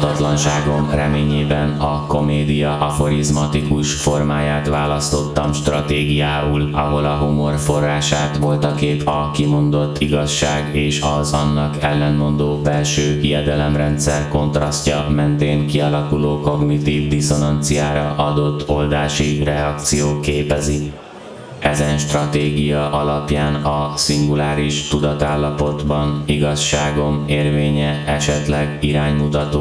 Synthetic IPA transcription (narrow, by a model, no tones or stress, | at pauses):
t̪ɒt̪lɒnʃaːɡo̞mrɛmeːɲeːbɛnɒko̞meːd̪ijɒʔɒfo̞ɾizmɒt̪ikuʃfo̞rmaːjaːt̪ʋaːlɒst̪o̞t̪ːɒmʃt̪rɒt̪eːɡijaːulɒɦo̞lɒɦumo̞rfo̞rːaːʃaːt̪ʋo̞lt̪ɒkeːt̪ɒkimo̞nd̪o̞t̪ːiɡɒʃːaːɡeːʃɒzɒnːɒkɛlːɛnmo̞nd̪oːbɛlʃøːijɛd̪ɛlɛmrɛnt̪sɛrko̞nt̪rɒscɒmɛnt̪eːŋkiɒlɒkuloːko̞ɡnit̪iːvd̪iso̞nɒnt̪sijaːɾɒʔɒd̪o̞t̪ːo̞ld̪aːʃirɛɒk̚t̪sijoːkeːpɛzi | ɛzɛnʃt̪rɒt̪eːɡijɒʔɒlɒpjaːnɒsiŋɡulaːɾiʃt̪ud̪ɒt̪aːlːɒpo̞d̪bɒniɡɒʃːaːɡo̞meːrveːɲɛɛʃɛt̪lɛɡiɾaːɲmut̪ɒt̪oː